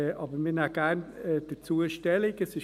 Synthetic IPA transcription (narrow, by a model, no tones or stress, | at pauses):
ʔɑːbəmɪnaɡ̥æɾnːd̥ət͡suəʃtɛlɪkəsɪ